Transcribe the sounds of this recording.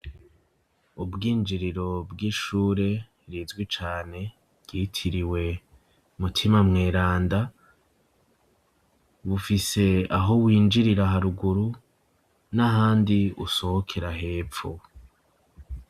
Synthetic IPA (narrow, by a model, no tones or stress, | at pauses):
ubɡiːnd͡ʒiɾiɾo̞bɡiːʃuːɾe̞ | ɾizɡwit͡ʃaːne̞̥ | ɡ̥iːtʰiɾiwe̞ | mutʰimamŋeːɾaːnda | βufise̞aɦo̞wiːnd͡ʒiɾiɾaɦaɾuɡuɾu | naɦaːndiṵso̞hokʰe̞ɾaɦe̞ːpfo̰